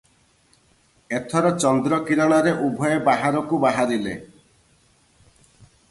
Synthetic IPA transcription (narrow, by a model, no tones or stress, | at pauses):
et̪ʰɔɾɔt͡ʃɔnd̪ɾɔkiɾɔɽ̃ɔɾeʔubʱɔjebaɦaɾɔkubaɦaɾile